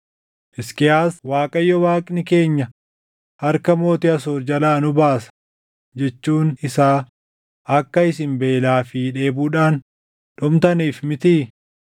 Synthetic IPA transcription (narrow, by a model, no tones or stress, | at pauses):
ʔɪskɪjaːswaːkʼɐjːɔwaːkʼnɪke̞ːɲːɐ | hɐɾkɐmo̞ːt̪ɪɐsoːɾd͡ʒɐlaːnʊbaːsɐ̥ | d͡ʒɛt͡ʃːuːnɪsaː | ɐkːɐɪsɪmbe̞ːlaːfɪᶑe̞ːbuːᶑaːn | ᶑɔmt̪ɐniːfmɪt̪i